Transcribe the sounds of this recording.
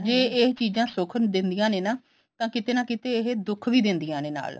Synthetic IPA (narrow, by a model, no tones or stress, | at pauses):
d͡ʒeːeɦt͡ʃiːd͡ʒãːsʊkʰnd̪ɪnd̪ijãːneːnaː | t̪ãːkɪt̪eːnãːkɪt̪eːeɦd̪ʊkʰʋiːd̪ɪnd̪ijãːneːna̰ːl